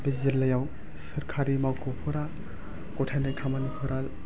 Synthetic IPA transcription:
bizilːajaw | sɐɾkʰaɾimawkʰɔpʰɔɾa | kɔtʰajnajkʰamanipʰuɾal

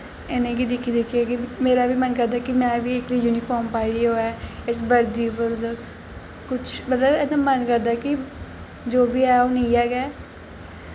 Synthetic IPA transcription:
ɪnẽːɡiːd̪ɪkʰːiːd̪ɪkʰːiekimeːɾaːʋiːmənkəɾd̪aːkɪmɛ̃ːbiːɪkliːjuːniːkɔːmpaːiɾioːɛːɪsbəɾd̪iːʊpəɾd̪ə | kʊt͡ʃʰbət̪ləbɛd̪ãːmənkəɾd̪aːkɪ | d͡ʒoːbiːɛːõːniiɛːɡɛː

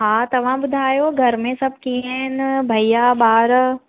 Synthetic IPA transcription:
ɦãːt̪ɐʋ̤ãbʊd̪ʱaːjoɡʱɐɾmẽsɐb̚ʱkiaɪnbʱɐijaɓaːɾ

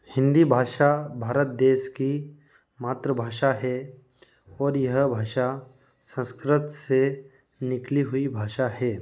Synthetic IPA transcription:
hɪ̃nd̪ibʱaːʃabʱaːɾət̪̚d̪eːʃki | maːt̪ɾəbʱaːʃaɦɛ | ɔːɾjɐɦbʱaːʃa | sə̃nskɾɪt̪se | nɪkliɦʊibʱaːʃaɦɛː

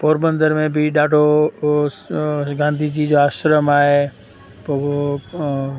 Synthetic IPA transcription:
poːɾbə̃nd̪əɾmẽbʱɪɗaːɖʱo | ɡãːnd̪ʱid͡ʑid͡ʑoaːʃɾəmaːɦe | poːo

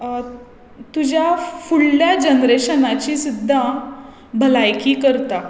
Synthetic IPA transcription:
t̪ud͡ʑjafuɭːjad͡ʑənɾeɕənat͡ɕiːsud̪ʱːa | bʱəlajkiːkəɾt̪a

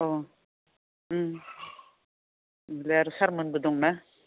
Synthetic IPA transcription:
ɔ | leaɾusaɾmɯnbɯd̪ɔŋna

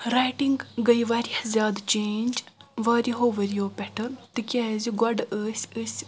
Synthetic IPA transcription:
ɾajʈiŋɡɡɐjʋaːɾihɐzʲaːd̪t͡ʃeːnʲd͡ʒʋaːɾiɦoːʋɐɾijoːpʲɛʈʰɨt̪ɨkʲaːziɡɐɖəːsʲəsʲ

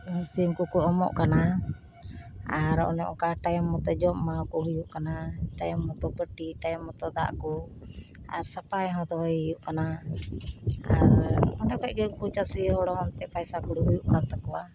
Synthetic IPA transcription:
simkukuɔmɔ̰ʔkana | aɾɔ̰nɛʔɔ̰kaʈajmːɔt̪ɔd͡ʒɔmmːakuɦujuʔkanaʈajmːɔt̪ɔpəʈiʈajmːɔt̪ɔd̪a̰ʔku | a̰ɾsapajɦɔ̃t̪ɔɔjjuʔkana | aɾmɔɳɖakacɡɛŋkut͡ʃasiɦɔɽɔɦɔnt̪ɛpajsakuɽuɦujuʔkant̪akɔwa

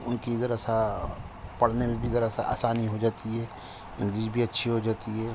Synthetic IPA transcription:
ʊnkid̪əɾəsa | pɐɽ̤nemẽbʱid̪ɐɾəsaa̰ːsaːniɦod͡ʒaːt̪iɦɛː | ɪ̃ŋɡliːʃbʱiɐtːʃʰiɦod͡ʒaːt̪iɦɛː

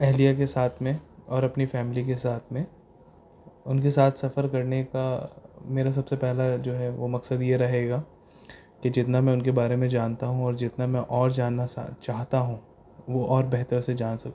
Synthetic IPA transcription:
ɛɦlijak̬esaːt̪ʰmẽɔːɾɐpnifɛːmɪlikesaːt̪ʰmẽ | ʊnkesaːt̪ʰsɐfəɾkɐɾnekameːɾas̬ɐbsepɛɦlad͡ʒoːɦɛʋomɐksəd̪jeɾɐɦeːɡaː | ked͡ʒɪt̪namɛ̃ːʊnkebaːɾemẽd͡ʒaːnt̪aɦũɔːɾd͡ʒɪt̪namɛ̃ʔɔːɾd͡ʒaːnːaa̰t͡ʃaːɦt̪aɦũ | ʋoʔɔːɾbɛɦt̪əɾsed͡ʒaːnsɐk

